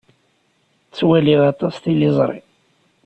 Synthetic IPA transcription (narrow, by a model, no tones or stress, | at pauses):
t͡sːwæliðɑt̪ˤɑst̪ilizˤɾˤḭ